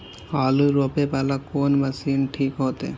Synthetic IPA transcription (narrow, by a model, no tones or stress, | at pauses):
aluɾopepɛlakonmasinʈʰikɦot̪e